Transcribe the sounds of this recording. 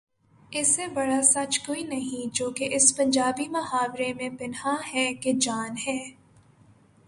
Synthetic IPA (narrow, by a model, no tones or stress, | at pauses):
ɪsebɐɽasɐt͡ʃkoːinɐɦĩd͡ʒoːkeʔɪspɐ̃ɲd͡ʒaːbimɐɦaːʋɾemẽbɪnɦaɦɛːked͡ʒaːnɦɛː